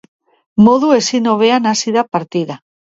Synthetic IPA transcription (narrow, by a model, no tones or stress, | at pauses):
mo̞ðue̞sino̞β̞e̞anasiðapaɾt̪iða